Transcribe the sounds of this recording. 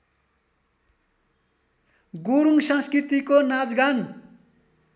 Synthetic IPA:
ɡuɾuŋsʌ̃nskrit̪ikonad͡zɡan

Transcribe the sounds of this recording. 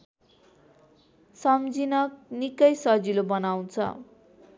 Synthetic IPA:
sʌmd͡zinʌk̚nikʌjsʌd͡zilobʌnaw̃t͡sʰʌ̰

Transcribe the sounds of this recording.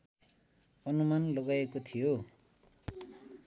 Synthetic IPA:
ʌnumanlʌɡaekot̪ʰijo

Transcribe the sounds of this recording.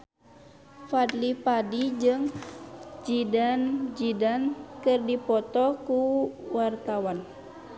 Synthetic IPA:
fad̪lipadid͡ʒɨŋ | d͡ʒidand͡ʒidankɨrdipɔt̪ɔkuwart̪awan

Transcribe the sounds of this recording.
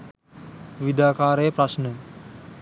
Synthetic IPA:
ʋid̪aːkaːɾəjəpɾɐsnə

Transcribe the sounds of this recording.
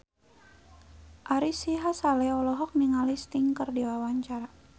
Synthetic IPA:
ʔaɾisiɦasalɛɔlɔɦɔk̚niŋalist̪iŋkərdiwawaɲt͡ʃaɾa

